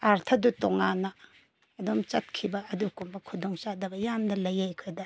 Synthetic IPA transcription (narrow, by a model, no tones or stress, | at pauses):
aɾtʰɐdutoŋanːɐː | domt͡ʃɐt̚kʰibɐɐdukumbɐkʰudoŋt͡ʃadɐbɐjamdɐlɐjajkʰɯdɐ